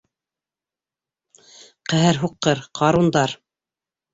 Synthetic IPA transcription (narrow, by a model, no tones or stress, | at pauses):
qæ̆ɦɘɾɦuqːɤɾqʰɑɾund̪ɑɾ